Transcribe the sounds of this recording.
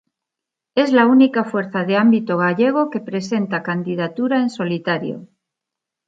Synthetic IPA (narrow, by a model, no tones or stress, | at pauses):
e̞zlaunikafwe̞ɾθaðe̞ambit̪o̞ɣ̞aʎe̞ɣ̞o̞ke̞pɾe̞se̞nt̪akand̪ið̞at̪uɾae̞nso̞lit̪aɾjo̰